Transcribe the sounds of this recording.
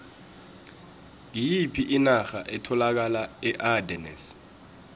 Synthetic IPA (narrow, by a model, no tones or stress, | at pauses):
ŋijipʰiʔinaxaʔɛtʰɔlak̬alaɛʔadɛnɛ̰s